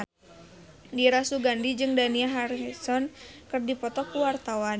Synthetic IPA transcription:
diɾasuɡandid͡ʒɨŋdaniaɦaɾsɔnkɨrdipɔt̪ɔkuwart̪awan

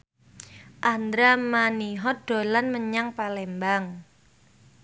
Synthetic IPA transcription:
ʔand̪ɾamaniɦɔɖ̥o̤lanməɲaŋpalɛmbaŋ

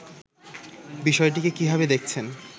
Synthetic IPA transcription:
biʃɔeʈ̬ikekibʱabed̪ek̚ʰt͡ɕʰen

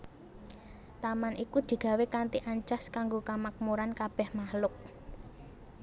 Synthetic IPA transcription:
t̪amanikud̪̥i̤ɡ̥a̤wekant̪iʔaɲt͡ʃaskaŋɡokamak̚muɾankab̥ɛ̤hmahlʊk̚

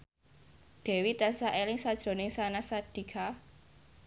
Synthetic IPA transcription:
d̥ɛ̤wit̪ansaʔelɪŋsad̥ʒ̥ɾo̤nɪŋsanasad̥i̤kʰa

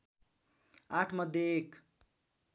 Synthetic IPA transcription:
aʈʰmʌd̪ʱjeek

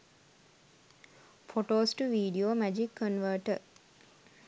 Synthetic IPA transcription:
foʈoːsʈuʋiːɖioːmæd͡ʒikːənʋəːʈə

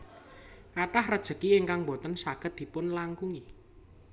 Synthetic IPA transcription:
kaʈahrəd̥ʒ̥ə̤kiɪŋkaŋbo̤t̪ənsaɡ̥ə̤t̪̚d̪̥i̤pʊnlaŋkuŋi

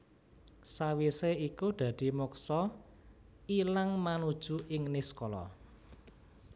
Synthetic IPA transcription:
sawiseikud̪̥ä̤d̪̥i̤muksɔ | ilaŋmanud̥ʒ̥ṳʔɪŋniskɔlɔ̰

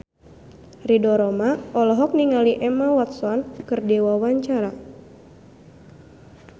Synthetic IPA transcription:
ridɔɾɔmaɔlɔɦɔk̚niŋaliʔɛmawat̪̚sɔnkɨrdewawaɲt͡ʃaɾa

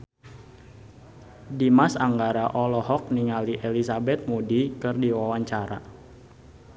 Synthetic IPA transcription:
dimasaŋɡaɾaʔɔlɔhɔk̚niŋaliʔɛlisabɛt̪̚mudikɨrdiwawaɲt͡ʃaɾa̰

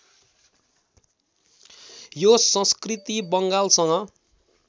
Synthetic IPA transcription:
josʌ̃skrit̪ibʌŋɡalsʌŋʌ

